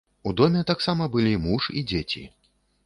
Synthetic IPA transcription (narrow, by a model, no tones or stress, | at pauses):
ud̪ɔmʲɛt̪aksamɐbɨlʲimuʂid͡zʲet͡sʲḭ